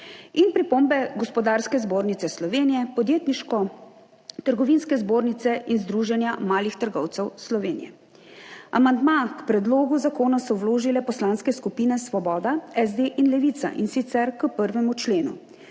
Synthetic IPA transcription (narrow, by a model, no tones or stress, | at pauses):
inpɾipombɛɡɔspɔd̪aːɾskɛzboːɾnit̪sɛslɔʋeːnijɛpɔd̪jeːt̪niʃkɔ | t̪əɾɡɔʋinskɛzboːɾnit̪sɛʔinzd̪ɾuːʒɛnjamaːlixt̪əɾɡɔ̰wt̪sɛwslɔʋeːnijɛ̰ | a̰mand̪makpɾɛd̪loːɡuzakoːnasɔwloːʒilɛpɔslanskɛskupiːnɛsʋɔbɔːd̪aɛzd̪eʔinlɛʋit̪sa̰ʔinsit̪sɛɾkəpəɾʋɛmut͡ʃleːnṵ